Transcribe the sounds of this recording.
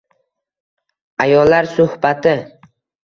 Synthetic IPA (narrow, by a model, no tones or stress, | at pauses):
ajɒlːaɾsʊhbat̪ʰɪ